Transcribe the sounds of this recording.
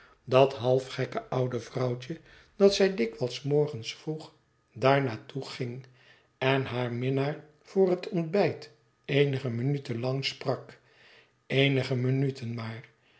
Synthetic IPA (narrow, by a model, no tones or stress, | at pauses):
dɑtɦɑlˠfχɛkəʔʌwdəvrʌwt͡ʃə | d̥ɑtsɛjdɪkʋɑlˠsmɔɹχənsfruχ | daːɹnaːtʰuχɪŋ | ɛnɦaːɹmɪnaːɹ | v̥ʊːɹɦətʰɔndbɛjt | ejnəχəmənytənlɑŋsprɑk | ejnəχəmənytʰənmaːr